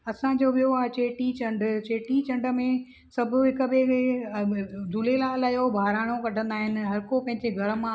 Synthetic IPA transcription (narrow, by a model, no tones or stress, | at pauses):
ɐsãd͡ʑoːʋijoaːt͡ɕeːʈit͡ɕɐ̃ɳɖʱt͡ɕeːʈit͡ɕɐ̃ɳɖə̆mẽ | sɐbʱʊɦɪkəbɪ | d̪ʱulelaːlajobʱaːɾaːɽ̃okɐʈʰə̃nd̪aːɦɪnɪ̆ɦɐɾkopɐ̃ɦɪ̃ɲd͡ʑeɡʱɐɾəmã